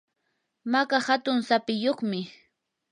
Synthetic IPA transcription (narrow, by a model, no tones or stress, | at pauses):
makahat̪ʊŋsapɪjoχmɪ